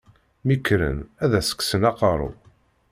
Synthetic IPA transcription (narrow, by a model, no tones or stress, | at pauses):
mikːɾə̰næðæsə̥kːsənɑqɑɾˤṵ